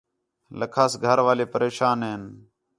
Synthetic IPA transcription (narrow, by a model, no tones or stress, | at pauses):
ləkʰaːsɡʱəɾʋaːleːpəɾeːʃaːnɦeːn